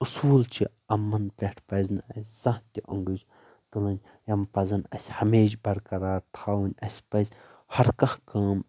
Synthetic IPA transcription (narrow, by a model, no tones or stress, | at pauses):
usuːlt͡ʃʰi | ɐmːɐnpʲeʈʰpɐznɨɐsʲzɐ̃ɦt̪ʲiʔɐŋɡɨd͡ʒ | t̪ulɐnʲ | jɐmpɐzɐnɐsʲhɐmeːd͡ʒbɐɽkɐɾaːɾt̪ʰaːwunʲɐsʲpɐzʲhɐɾkɐ̃hkaːm